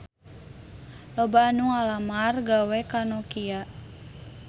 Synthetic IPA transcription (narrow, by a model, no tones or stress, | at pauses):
lɔbanuŋalamarɡawɛkanɔkiaʔ